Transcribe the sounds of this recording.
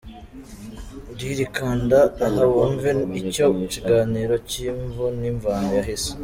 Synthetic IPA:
ɾiɾikaːndahawoɱveicoiciɡaːniːɾo̞ciːɱvuniɱvaːnojaɦese̥

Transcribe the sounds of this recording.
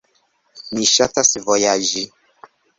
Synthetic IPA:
miʃatasvojad͡ʒi

